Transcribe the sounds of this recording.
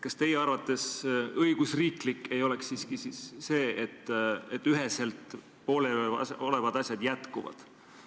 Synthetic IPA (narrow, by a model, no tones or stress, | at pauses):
kɑst̪e̞jeɑrvɑt̪ːˑe̞sɤjɡ̥usriːklikːe̞jo̞lɛksːiːskisisːe̞ːet̪ːet̪ːyɦese̞lt̪ˑ | po̞ːleɑso̞le̞vɑd̪̥ɑsʲjɑd̪̥jæt̪kuvɑ̰d̪̥